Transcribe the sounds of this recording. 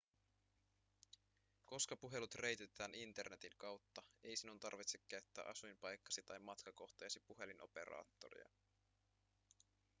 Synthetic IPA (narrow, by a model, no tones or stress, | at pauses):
ko̞skɑpuɦe̞lut̪re̞jt̪e̞t̪æːnint̪e̞rne̞t̪iŋkɑwt̪ːɑe̞jsinunt̪ɑ̰rʋit̪sekːæyɥt̪ːæ̰ːʔɑsujmpɑjkːɑsit̪ɑjmːɑt̪kɑko̞xt̪ejsipuɦe̞linʔo̞̰pe̞̰ɾɑ̰ːt̪ːo̞ɾḭɑ̰